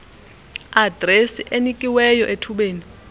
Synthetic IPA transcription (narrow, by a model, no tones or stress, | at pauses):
ad̥ʱresiʔenikʼiwɛjɔʔetʰuɓeːni